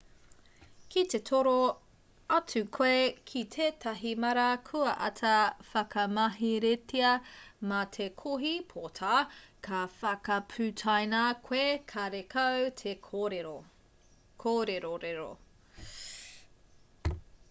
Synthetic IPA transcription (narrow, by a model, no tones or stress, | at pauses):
kʰit̪e̞tʰoɾo | ɐtʉkʰoekʰitʰeːtʰɐɦimɐɾɐkʰuɐʔɐ̰tʰɐfɐkɐmɐɦiɾetʰiɐmɐt̪ʰekʰoɦipʰotʰakʰɐfɐkɐpʰʉtʰajnakʰwekʰɐɾekʰɐwtʰe | kʰoɾeɾoɾeɾo̰